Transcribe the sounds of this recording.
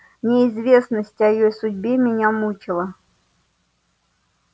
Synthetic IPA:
nʲɪɪzvʲe̞snəsʲtʲɪɐjɪjojsʊdʲbʲemʲɪnʲamut͡ɕɪlˠə

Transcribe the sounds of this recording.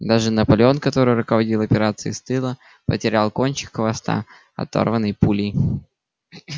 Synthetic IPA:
d̪aʐɨnəpɐlʲɪo̞nkɐt̪o̞ɾɨjɾʊkəvɐdʲilˠɐpʲɪɾat̪sɨɪ̰st̪ɨlˠə | pə̰tʲɪɾʲalˠko̞nʲt͡ɕɪ̥kxvɐst̪a̰ | ɐ̰t̪o̰rvənːɨjpulʲij

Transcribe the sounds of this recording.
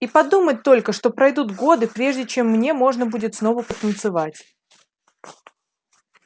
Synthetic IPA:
ipɐd̪umət̚ʲt̪ːo̞lʲkəʂt̪o̞pɾɐjd̪ut̪ɡo̞d̪ɨpɾʲe̞ʐdʲɪt͡ɕe̞mːnʲe̞mo̞ʐnəbudʲɪt̪sno̞vəpət̪ənt̪sɨvatʲ

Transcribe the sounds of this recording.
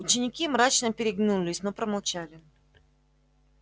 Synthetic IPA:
ʊt͡ɕɪnʲɪkʲimɾat͡ɕnəpʲɪɾʲɪɡnulʲɪsʲnopɾəmɐlˠt͡ɕalʲɪ

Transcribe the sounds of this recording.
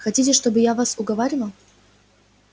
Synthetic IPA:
xɐtʲitʲɪʂt̪obɨjavasʊɡɐvaɾʲɪlˠə

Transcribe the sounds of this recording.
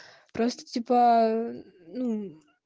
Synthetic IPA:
pɾost̪ə̥tʲipə | nu

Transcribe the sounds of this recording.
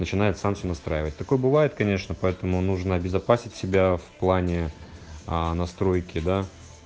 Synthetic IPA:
nət͡ɕɪnajɪt̪samsʲonɐst̪ɾajɪvət̚ʲt̪ɐko̞jəbɨvajɪt̪kɐnʲe̞ʂnəpɐɛt̪əmʊnuʐnəɐbʲɪzɐpasʲɪtʲsʲɪbʲafplˠanʲɪ | nɐst̪ɾo̞jkʲɪd̪a

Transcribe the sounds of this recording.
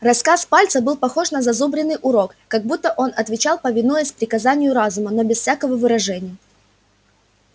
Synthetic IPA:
rɐskaspalʲt̪səbɨlˠpɐxo̞ʂnəzɐzubɾʲɪnːɨjʔʊɾo̞kːɐɡ̚but̪ːəʔo̞nɐt̪vʲɪt͡ɕalˠpəvʲɪnujəsʲtʲpɾʲɪkɐzanʲɪjʊɾazʊmənobʲɪsfsʲakəvəvɨɾɐʐɛnʲɪjə

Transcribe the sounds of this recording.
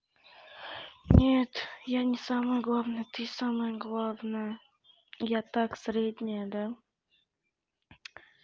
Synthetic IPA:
nʲet̪janʲɪsamɨjɡlˠavnɨjt̪ɨsamɨjəɡlˠavnɨjə | jat̪aksɾʲed̪ʲnʲɪjəd̪a

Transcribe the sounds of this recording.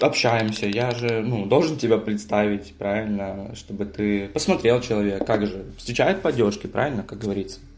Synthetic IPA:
ɐpɕːæjɪmsʲəjaʐɨnud̪o̞lˠʐɨntʲɪbʲapɾʲɪt̪st̪avʲɪtʲpɾavʲɪlʲnəʂt̪o̞bɨt̪ɨpəsmɐt̪ɾʲelˠt͡ɕɪlˠɐvʲe̞kːakʐɨfst̪ɾʲɪt͡ɕæjɪt̪̚pɐdʲːo̞rʂkʲɪpɾʔa̰vʲɪlʲnəkak̚ɡəvɐɾʲit̪sːə̥

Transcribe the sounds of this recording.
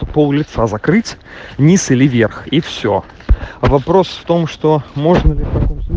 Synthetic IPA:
əpolˠlʲɪt̪sazɐkɾɨtʲnʲisɨlʲɪvʲe̞rxifsʲo̰ | vɐpɾo̞sft̪o̞mʂt̪omoʐnəlʲɪɐ

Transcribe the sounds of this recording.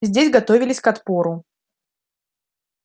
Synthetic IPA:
zʲdʲesʲɡɐt̪o̞vʲɪlʲɪsʲkɐt̪po̞ɾʊ

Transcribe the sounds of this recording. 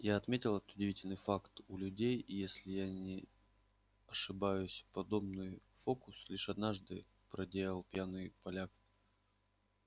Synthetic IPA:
jaɐt̪mʲetʲɪlˠɛt̪ət̪ʊdʲɪvʲitʲɪlʲnɨjfakt̪ʊlʲʉdʲejijesʲlʲɪjanʲɪ | ɐʂɨbajʊsʲpɐd̪o̞bnɨj | fo̞kʊslʲiʂɐd̪naʐd̪ɨ | pɾɐdʲejəlˠpʲjanɨjpɐlʲak

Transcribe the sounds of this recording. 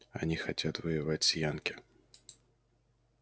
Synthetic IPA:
a̰nʲixat͡sʲat̪vɨjɪvat͡sʲsʲjankʲi

